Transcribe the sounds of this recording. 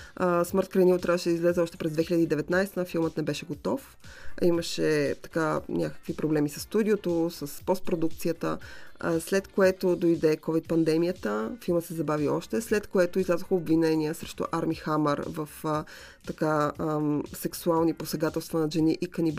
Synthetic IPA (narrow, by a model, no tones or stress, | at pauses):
sməɾt̪̚kɾɐjnivot̪ɾʲavəʃɛd̪əizlɛzɛɔʃt̪ɛpɾɛzd̪vɛxiləd̪əid̪ɛvɛt̪najst̪əfilˠmət̪nɛbɛʃɛɡot̪ɔf | iməʃɛt̪ɐ̥kanʲakə̥kvipɾoblɛmisɐsːt̪ud̪ʲiot̪osəspɔst̪̚pɾod̪uk̚t̪sijət̪ə̰slɛt̪koɛt̪od̪ojd̪ɛkɔvit̪̚pɐnd̪ɛmijət̪əfilˠmət̪sɛzɐbaviɔ̰ʃt̪ɛslɛt̪koɛt̪ʊizlʲazoxəobvinɛniəsɾɛʃt̪o̰ʔaɾmixaməɾvəf | t̪ɐka | sɛksualˠniposɛɡat̪ɛlˠst̪vɐnɐʒɛniʔikɐnib